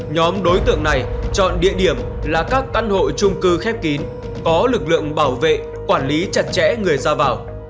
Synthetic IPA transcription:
ɲɔ˨˦mɗo˨˦jt̪ɨ̰˧˨əŋna˨˩jt͡ɕɔ̰˧˨nɗḭ˧˨əɗi˧˩əm | laː˨˩kaː˦˥kːa˧nho̰˧˨t͡ɕʊ˧ŋ͡mkɨ˧xɛ˦˥p̚ki˨˦n | kɔ˨˦lɨ˨˩k̚lɨ̰˧˨əŋɓaː˧˩wvḛ˧˨ | kwaː˧˩nli˨˦t͡ɕa˨˩t̚t͡ɕɛ̰˧˥ŋɨ˨˩əjzaː˧vaː˨˩w

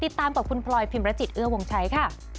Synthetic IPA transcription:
t̪i˨˩t̪ːaː˧mkaː˨˩pkʰu˧npʰlɔː˧jpʰi˧˩mpɾa˦˥t͡ɕi˨˩t̪̚ʔɯ˥ɐwo˧˩ŋt͡ɕʰa˦˥jkʰa˥˩

